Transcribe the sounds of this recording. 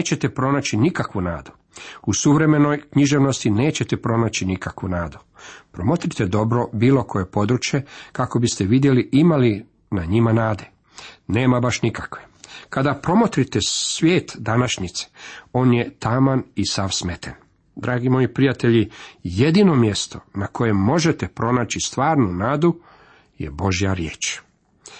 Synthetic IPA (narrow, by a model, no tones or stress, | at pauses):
et͡ɕe̞t̪epɾo̞nat͡ɕinikakʋuna̰ːd̪u̥ | usuʋɾe̞me̞no̞jkɲiʒe̞ʋno̞st̪ine̞ːt͡ɕe̞t̪epɾo̞nat͡ɕinikakʋunaːd̪u̥ | pɾo̞mot̪ɾit̪ed̪o̞bɾo̞biːlo̞kʰo̞je̞po̞d̪ɾut͡ʃje̞kako̞bist̪e̞ʋid̪jeliʔimali | naɲimanaːd̪e̞ | ne̞ːmabaʃnikakʋekad̪apɾo̞mot̪ɾit̪esʋʲjeːt̪d̪anaʃɲit̪se̥o̞ːnjet̪amanisaʋsmet̪ʰen | d̪ɾaːɡimo̞jipɾijat̪eʎije̞d̪ino̞mje̞st̪o̞nako̞je̞mo̞ʒe̞t̪epɾo̞naːt͡ɕist̪ʋaːɾnunaːd̪u | jḛbo̞ʒijaɾjeːt͡ʃ